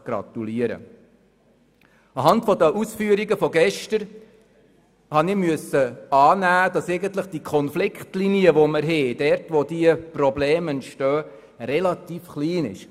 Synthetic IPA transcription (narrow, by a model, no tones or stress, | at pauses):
ɡ̥ɾɑ̰t̪uliəɾə̰ | ɑɦɑntfɔdəʔusfyːəɾiɡəfɔɡɛʃtəɾ | hɑnɪmyəsːəɑːnæːd̥ɑsɛɪɡəntləχd̥ikʰɔnflɪkχtliniəʋoməɾɦɛd̥ɛɾtʋodiəprɔbleːmɛntʃtœː | rɛlɑt̪iːfχliːnɪ̰ʃ